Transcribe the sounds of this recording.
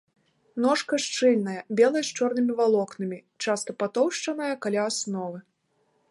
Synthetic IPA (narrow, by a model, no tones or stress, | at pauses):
nɔʂkɐʂt͡ʂɨlʲnɐjɐbʲɛlˠɐjst͡ʂɔrnɨmʲivalˠɔknɨmʲi | t͡ʂast̪ɐpat̪ɔwʂt͡ʂɐnɐjɐkalʲaːsnɔvɨ